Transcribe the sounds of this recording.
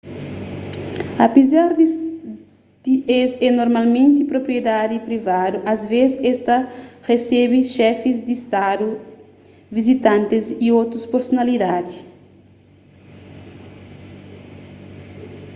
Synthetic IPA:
ɐpezaɾd | d̪̥iʔesɛnoɾmalmẽnt̪ipɾopɾijed̪ad̪ipɾivad̪uʔɐzvezɛst̪ɐresɛbiʃɛfizd̪iist̪ad̪u | vizit̪ãnt̪iziot̪ɾuspoɾsonalid̪ad̪i

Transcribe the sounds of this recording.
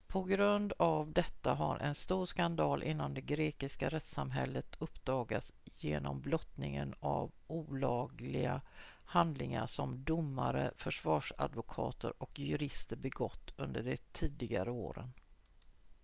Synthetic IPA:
pʰɔɡɾɵnd̪avd̪ɛt̪ːaɦaɾʔɛnst̪uːɾʂkand̪ɑːlʔɪnːand̪ɛɡɾeːkɪskaɾɛt̪samɦɛlːət̪ʰɵpːd̪ɑːɡasjeːnɔmblɔt̪nɪŋənavuːlɑːɡlɪɡa | hand̪lɪŋaʂɔmd̪ʊmːaɾəfœʂvɑːʂad̪vʊkʰɑːt̪əɾʔɔkjɵɾɪst̪əɾbɛɡɔt̪ːɵnd̪əɖɛt̪ʰiːd̪ɪɡaɾəoːɾən

